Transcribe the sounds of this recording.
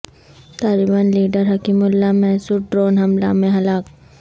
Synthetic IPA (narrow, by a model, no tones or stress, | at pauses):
t̪aːlibaːnliːɖəɾɦɐkimʊlːamɛsuɖɾoːnɦɐmla̰mẽɦɐlaːk